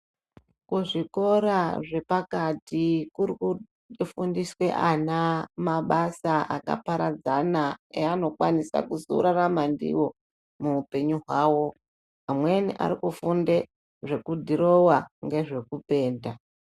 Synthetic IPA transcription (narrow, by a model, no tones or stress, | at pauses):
kuʐiko̞ɾaʐe̞pakatikuiku | fundiswe̞ʔanamaɓasaʔaka̰paɾad͡zanaeano̞kwanisa̰kuzuṵɾaramandḭwo̞ | muːpe̞ɲuɦwaːwo̞ | amwe̞nḭʔa̰ɾikufunde̞ | ʐe̞kudʱiɾo̞waŋɡe̞ʐe̞kupe̞ːnda